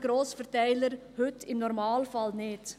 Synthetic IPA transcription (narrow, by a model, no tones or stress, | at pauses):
ɡ̥ɾoːsfərtɛɪləɾhʏtɪmnɔɾmɑːlfɑlnɪt